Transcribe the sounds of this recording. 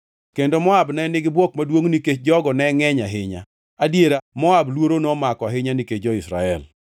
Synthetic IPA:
kendomɔabnɛnɪɡɪbwɔkmadwoŋniket͡ʃd͡ʒɔɡɔnɛŋɛɲaɦɪɲa̰ | adjeɾamɔablwoɾonɔmakɔaɦɪɲaniket͡ʃd͡ʒɔɪsɾa̰ɛ̰l

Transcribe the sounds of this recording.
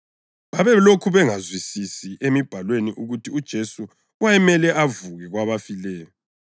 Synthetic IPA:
βaβɛlokʰuβɛŋazwisisiʔemib̥ʱalweniʔuɣutʰiud̥ʒ̥ʱesu | wajɛmɛlɛʔavuɣɛɣwaβafilɛːjɔ

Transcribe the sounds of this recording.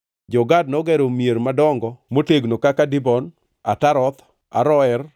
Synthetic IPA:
d͡ʒɔɡadnɔɡɛɾomjeɾmadɔŋɡɔmoteɡnokakadɪbɔn | a̰taɾɔt̪ | a̰ɾɔɛr

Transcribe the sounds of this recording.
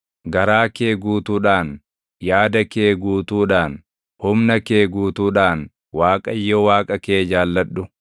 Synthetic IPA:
ɡɐɾaːke̞ːɡuːt̪uːᶑaːn | jaːd̪ɐkeːɡuːt̪uːᶑaːn | hʊmnɐke̞ːɡuːt̪uːᶑaːn | waːkʼɐjːɔwaːkʼɐke̞ːd͡ʒaːlːɐᶑːʊ

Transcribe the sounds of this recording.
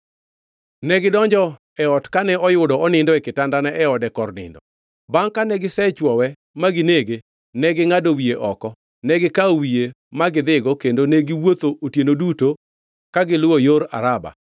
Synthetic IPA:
nɛɡɪdɔɲd͡ʒɔ | ɛɔtkanɛɔjʊdɔɔnɪndɔɛkɪtandanɛʔɛɔdɛkɔrnɪ̰ndɔ | baŋkanɛɡɪsɛt͡ʃwɔwɛ | maɡɪneɡe | nɛɡɪŋadowieʔɔkɔ | nɛɡɪkaowie | maɡɪd̪ɪɡɔkendoneɡɪwot̪oʔotjenoduto | kaɡɪlʊojoɾa̰ɾaba̰

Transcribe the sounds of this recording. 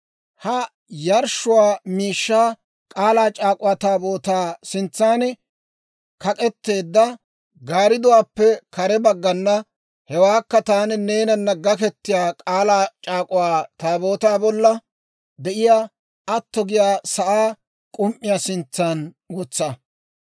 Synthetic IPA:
hɐ | jɐɾʃʊwaːmiːʃːaː | kʼaːlaːt͡ʃʼaːkʼʊwaːt̪aːbo̞ːt̪aːsɪnt͡sːaːnɛ | kɐkʼɛt̪ːe̞ːd̪ːɐ | ɡaːɾɪd̪ʊwaːpːɛkɐɾɛbɐɡːɐnːɐ | hɛwaːkːɐt̪aːnɛne̞ːnɐnːɐɡːɐkɛt̪ːɪjaːkʼaːlaːt͡ʃʼaːkʼʊwaːt̪aːbo̞ːt̪aːbɔlːɐ | d̪ɛʔɪjaː | ɐt̪ːɔɡɪjaːsɐʔaː | kʼʊmʔːɪjaːsɪnt͡sːan | wɔt͡sːɐ

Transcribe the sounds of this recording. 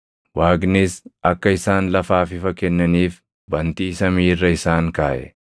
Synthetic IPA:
waːɡnɪsʔɐkːɐɪsaːnlɐfaːfɪfɐkːɛnːɐniːf | bɐnt̪iːsɐmiːrːɐɪsaːŋkaːʔɛ̰

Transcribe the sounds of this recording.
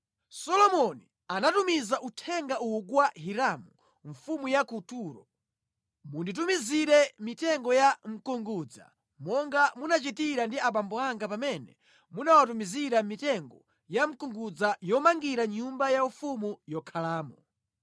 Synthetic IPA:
sɔlɔmɔni | anatumizaʔutʰɛŋɡaukwaɦiɾamu | ɱfumujakutuːɾɔ | mundit̬umiziɾɛmitɛŋɡɔjam̩kuŋɡud͡za̰ | mɔŋɡamunat͡ʃitiɾandiaɓambɔaŋɡapamɛnɛ | munawat̬umiziɾamitɛŋɡɔ | jam̩kuŋɡud͡zajɔmaŋɡiɾaɲumbajaufumujɔkʰalaːmɔ

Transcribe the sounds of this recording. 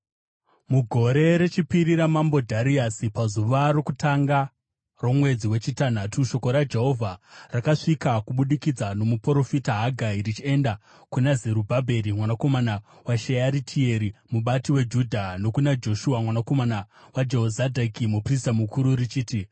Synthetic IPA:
muɡʱo̞ɾe̞ɾet͡ʃipiɾiɾamambo̞dʱaɾiasipazuʋaro̞kutaŋɡa | ro̞mwe̞d͡ziwe̞t͡ʃitan̤atuʃo̞ko̞ɾad͡ʒe̞ɦo̞vʱarakaʂikakuɓuɗikid͡zano̞mupoɾo̞fitaɦaɡʱaiɾit͡ʃie̞nda | kunazeɾubʱabʱe̞ɾimwanako̞mana | waʃejaɾitʰie̞ɾimuɓatiwe̞d͡ʒudʱano̞kunad͡ʒo̞ʃuamwanako̞manawad͡ʒeɦozadʱakimupris̬tamukuɾurit͡ʃiːti

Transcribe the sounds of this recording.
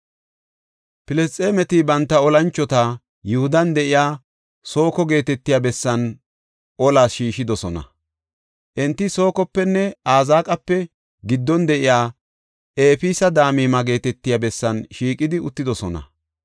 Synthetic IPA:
pɪlɛst̪ʼːeːmɛt̪ɪbɐnt̪ːɐɔlɐnt͡ʃːɔt̪a | jʊhʊd̪ɐnd̪ɛʔɪjaː | so̞ːkɔɡe̞ːt̪ɛt̪ːɪjabɛsːɐn | ʔɔlaːsʃiːʃɪd̪ɔsɔnɐ̰ | ʔɛnt̪ːɪso̞ːkɔpːɛnːɛaːzaːkʼɐpːɛ | ɡɪd̪ːɔnd̪ɛʔɪjaː | ʔeːfiːsɐd̪aːmiːmɐɡe̞ːt̪ɛt̪ːɪjabɛsːɐnʃiːkʼɪd̪ɪʊt̪ːɪd̪ɔsɔnɐ̰

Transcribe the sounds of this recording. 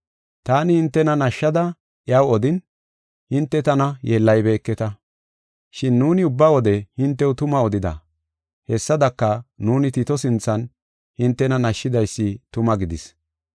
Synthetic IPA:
t̪aːnɪhɪnt̪ːɛnɐnɐʃːɐd̪ɐ | ʔɪɐwɔd̪ɪn | hɪnt̪ːɛt̪ɐnɐjeːlːɐjbe̞ːkːɛt̪ɐ | ʃɪnːuːnɪʊbːɐwɔd̪ɛhɪnt̪ːɛwʊt̪ʊmɐɔd̪ɪd̪ɐ̰ | hɛsːɐd̪ɐkːɐnuːnɪt̪it̪ɔsɪnt͡sːɐn | hɪnt̪ːɛnɐnɐʃːɪd̪ɐjsːɪt̪ʊmɐɡɪd̪ɪs

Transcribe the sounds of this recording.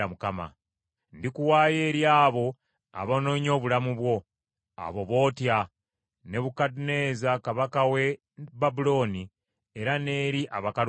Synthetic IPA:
amukama̰ | ndikuwaːje̞ːɾjaːβo̞ | a̰βono̞ɲo̞ːβulamuβwo̞ | a̰βo̞βo̞ːtja | ne̞βukadune̞ːzakaβakawe̞ | babulo̞ːni | eɾane̞ːɾiʔaβakaɾ

